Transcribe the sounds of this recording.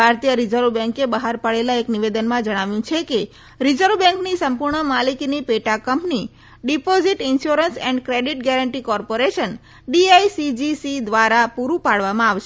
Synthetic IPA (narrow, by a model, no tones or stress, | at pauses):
bʱaɾt̪ijəɾid͡ʒəɾʋbɛ̃ŋkebəɦaɾpaɭelaekniʋed̪ənmãd͡ʒəɽ̃aʋjũt͡ʃʰeke | ɾid͡ʒəɾʋbɛ̃ŋknisəmpuɾɳəmaliknipeʈakəmpni | ɖipoziʈɪnʃuɾənsɛ̃ɳɖkɾeɖiʈɡɛɾəɳʈikɔɾpoɾeʃən | ɖiajsid͡ʒisid̪ʋaɾapuɾũpaɭʋamãaʋʃe